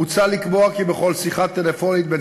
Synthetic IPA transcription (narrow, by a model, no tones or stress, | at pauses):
ut͡salikboakibe̞χo̞lsiχat̪elefo̞nit̪̚be